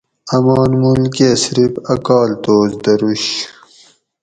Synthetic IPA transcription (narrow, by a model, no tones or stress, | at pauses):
ɐmɑːnmulkiɐsɾibɐkɑːlt̪oːzd̪ɐɾuɕ